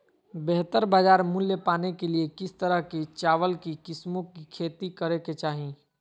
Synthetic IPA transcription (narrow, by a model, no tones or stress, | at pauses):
bɛɦt̪əɾbaːd͡ʒaːɾmʊljəpaːnekeliekɪst̪əɾəɦkit͡ʃaːʋəlkikɪsmõkikʰeːt̪ikəɾeket͡ʃaːɦĩ